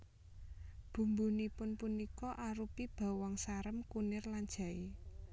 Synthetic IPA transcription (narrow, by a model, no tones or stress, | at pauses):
b̥ṳmbunipʊnpunikɔʔaɾupib̥a̤wɔŋsaɾəmkunɪrland̥ʒ̥ä̤i